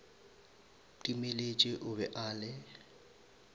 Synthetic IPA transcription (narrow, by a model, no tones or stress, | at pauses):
tʼimelet͡ʃʼɪʔʊbɛʔaːlɪ